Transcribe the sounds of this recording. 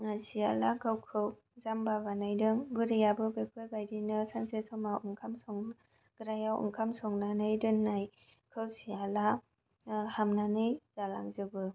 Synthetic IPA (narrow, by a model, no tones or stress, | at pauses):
asialaɡɯwkʰɯw | zambabanajdɯŋɡɯɾijabɯɡekʰɯjbajdinɯsansesɔmawuŋkʰamsɔŋ | ɡ̥ɯɾajawṵŋkʰamsɔŋnanɯjdɯnːaj | kʰɯwsiala | hamnanɯjz̥alaŋzɯbɯ